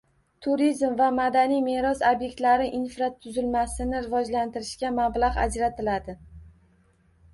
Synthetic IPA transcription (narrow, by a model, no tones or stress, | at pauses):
t̪ʰʊɾizmvamad̪anijme̞ɾɒsobje̞k̚ʲt̪laɾɪʔinfɾat̪ʰːʊzɪlmasɪnɪɾɪvɒd͡ʒlant̪ɪɾɪʃkʲamablˠaʁa̰d͡ʒɾat̪ʰɪlad̪ɪ